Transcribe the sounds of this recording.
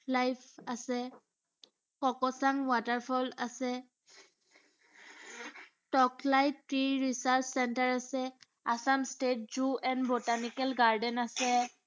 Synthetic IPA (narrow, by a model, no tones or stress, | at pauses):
lajpʰasɛ | kɔkɔsaŋwataɹpʰɔlasɛ | tɔklajtpɹiɹisaɹt͡ʃsɛntaɹasɛ | asamstet̚zuɛnbotanikɛlɡaɹdɛnasɛ